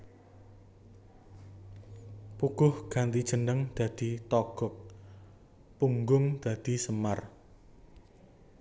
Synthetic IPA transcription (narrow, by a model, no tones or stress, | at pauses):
puɡ̥ʊhɡ̥a̤nt̪id̥ʒ̥ə̤nəŋd̪̥a̤d̪̥it̪ɔɡ̥ɔk̚ | puŋɡʊŋd̪̥ä̤d̪̥i̤səmar